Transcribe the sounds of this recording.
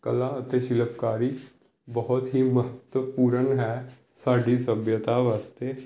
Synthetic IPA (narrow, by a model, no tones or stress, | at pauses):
kəlaət̪eʃɪləpkaːɾiː | bəɦʊt̪ɦiːməɦət̪wəpuːɾənɦɛː | saːɖisəbjət̪aʋaːst̪eː